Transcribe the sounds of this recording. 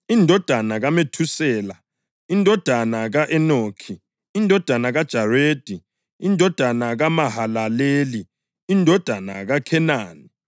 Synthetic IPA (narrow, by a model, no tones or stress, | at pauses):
indʱɔd̥ʱanaɣametʰusɛːla | indʱɔd̥ʱanaɣaʔɛnoːkʰi | indʱɔd̥ʱanaɣad̥ʒ̥ʱareːd̥ʱi | indʱɔd̥ʱanaɣamaɦalaleːli | indʱɔd̥ʱana̰ɣakʰɛnaːni